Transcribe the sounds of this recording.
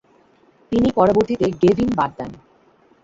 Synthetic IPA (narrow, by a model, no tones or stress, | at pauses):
t̪inipɔɾoboɾt̪it̪eɡevʱinbad̪̚d̪ɛn